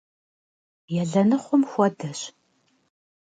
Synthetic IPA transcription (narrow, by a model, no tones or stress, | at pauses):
jɛɮɐnɨχʷʊmxʷɔdɐɕ